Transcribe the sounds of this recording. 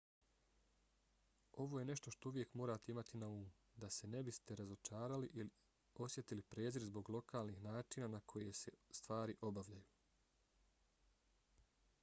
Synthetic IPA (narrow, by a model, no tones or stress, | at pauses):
o̞ʋo̞je̞ne̞ʃt̪o̞ʃt̪o̞uʋje̞kmo̞ːɾaːt̪eimat̪inauːmu | d̪ase̞ne̞bist̪e̞ɾazo̞t͡ʃaːɾaliʔili | o̞sje̞t̪ilipɾe̞ːziɾzbo̞ɡlˠo̞kaːlˠnixnaːt͡ʃinanakʰo̞je̞se̞st̪ʋaːɾiʔo̞baʋʎajuː